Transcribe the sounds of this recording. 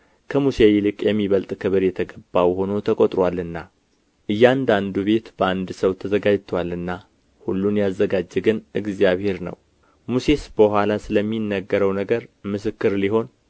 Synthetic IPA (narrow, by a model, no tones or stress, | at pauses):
kʰəmusejlɨkʼjɛmːiβəlt̪ʼkʰɨβɨɾjɛt̪ʰəɡəbːawho̞no̞t̪ʰəkʼot̪ʼɾwalɨnːa | ʔɨjːand̪and̪uβe̞t̪b̥əand̪səwt̪ʰəzəɡad͡ʒt̪ʰwalɨnːa | hulːunjazːəɡad͡ʒːɛɡɨnɨɡzjaβhe̞ɾnə̰w | muse̞sb̥əhʷwalasɨləmːinːəɡːəɾəwnəɡəɾmɨs̬ɨkːɨɾliɦo̞n